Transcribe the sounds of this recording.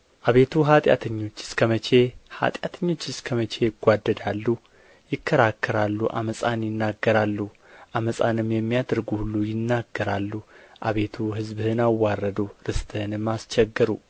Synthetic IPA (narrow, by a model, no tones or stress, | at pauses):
ʔaβe̞t̪ʰuɦat̪ʼja̰t̪ʰəɲːo̞t͡ʃːɪ̥skʰəmət͡ʃʰe̞ha̰t̪ʼjat̪ʰəɲːo̞t͡ʃːɪskʰəmət͡ʃʰe̞jɪɡʷad̪ːəd̪alːu | jɪkʰːəɾakʰːəɾalːuʔa̰məsʼanjɪnːaɡːəɾalːu | ʔaməsʼa̰nɨmjɛmːijad̪ɾɡuhulːujɪnːaɡːəɾalːuʔaβe̞t̪ʰuɦɨzbɨhɨnawːarːəd̪uɾɨst̪ʰʼɨhɨnɨmːast͡ʃɛɡːɨɾu